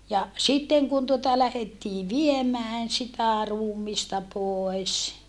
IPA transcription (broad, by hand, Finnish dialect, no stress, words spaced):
jɑ sitːeŋ kun tuotɑ læhetːiː ʋiemæːn sitæ ruːmistɑ poˑes